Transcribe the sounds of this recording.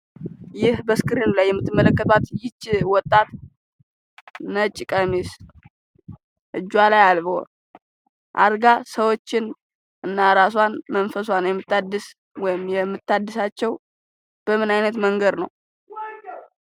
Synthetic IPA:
jɪhbəskɨɾinulajːɛmːɨt̪ːɨmːələkːət̪ʰat̪jɪt͡ʃːɪwɔt̪ʼːat̪ | nət͡ʃʼːɪkʼəmis | ʔɨd͡ʒːwalajalbo̰ | ʔa̰ɾɡasəwo̞t͡ʃːɪn | ɨnːaɾaswanmənfəs̬wanwjɛmːɨt̪ːad̪ːɨs | wɔjɪmjɛmːɨt̪ːad̪ːɨsat͡ʃːɛw | b̥əmɨnajnət̪məŋɡəd̪nəw

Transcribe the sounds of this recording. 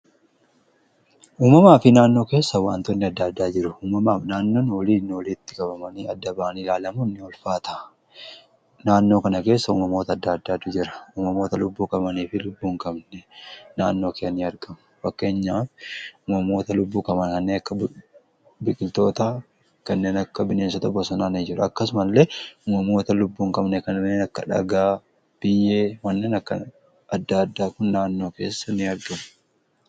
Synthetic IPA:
ʔuːmɐmaːfɪnaːnːo̞ːke̞ːsːɐwa̰ːnt̪ʊnːɪɐd̪ːaːd̪ːaːd͡ʒɪɾʊuːmɐmaːfnaːnːo̞ːnwɔliːnːɔliːt̪ːɪ̥kʼɐbɐmɐniɐd̪ːɐbaːnilaːlɐmʊnːɪɔlfaːt̪ʰɐ | naːnːo̞ːkɐnɐke̞ːsːɐṵːmɐmo̞ːt̪ɐd̪ːaːɐd̪ːaːd̪ʊd͡ʒɪɾɐ̥uːmɐmo̞ːt̪ɐlʊbːuːkʼɐbɐniːfɪlʊbːuːŋkʼɐbnɛnaːnːo̞ːkɛɐniːɐɾɡɐmʊ̥fɐkːe̞ːɲːaːfʊmɐmo̞ːt̪ɐlʊbːuːkʼɐmɐnkɐnːeːnɐkːɐ | bɪkʼɪlt̪o̞ːt̪ɐa | kɐnːe̞ːnɐkːɐbɪneːsɐt̪ɐbɔsɔnaːnɪd͡ʒɪɾɐɐkːɐsʊmɐlːeʔʊmɐmo̞ːt̪ɐlʊbːuːŋkʼɐbnɛkɐnɐmnːeːnɐkːɐᶑɐ̰ɡaː | b̥ɪjːeːwɐnːeːnɐkːɐ̰ | ɐd̪ːaɐd̪ːaːkʊnːaːnːo̞ːke̞̰ːsːɐnɪɐɾɡɐmʊ̥

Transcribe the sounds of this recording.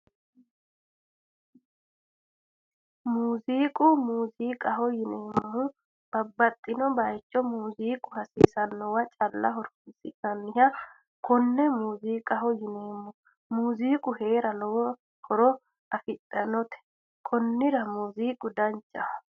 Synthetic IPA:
muːziːkʼʊmuːziːkʼɐhɔjɪneːmːɐhʊ | b̥ɐbːɐt̪ʼːɪnɔbɐjt͡ʃːɔmuːziːkʼʊhɐsiːsɐnːɔwɐt͡ʃʼɐlːɐɦɔɾɔ̥msɪkɐnːɪɦɐ | kʰɔnːɛmuːziːkʼɐhɔjɪneːmːɔ | muːziːkʼʊhe̞ːɾɐnɔwɔ | hɔɾɔ | ɐfɪt̪ʼːɐnɔt̪ɛ̥ | kʰɔnːɪɾɐmuːziːkʼʊd̪ɐnt͡ʃʼːɐ

